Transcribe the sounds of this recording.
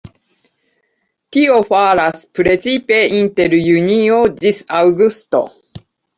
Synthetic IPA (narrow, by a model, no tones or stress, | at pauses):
t̪io̞faɾaspɾe̞t͡sipe̞ʔint̪e̞ɾjuniod͡ʒisawɡust̪o̰